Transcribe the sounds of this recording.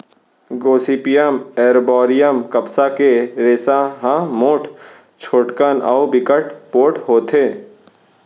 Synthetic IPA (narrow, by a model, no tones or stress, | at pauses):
ɡoːsiːpijəmeːɾbɔːɾijəmkɐbsakeɾeːsaɦãmoːʈʰ | t͡ʃʰoːʈkənaobɪkəʈpoːʈɦoːt̪ʰeː